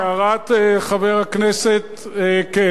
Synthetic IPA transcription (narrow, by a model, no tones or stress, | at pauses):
aʁat̪eχaveʁhakneset̪eke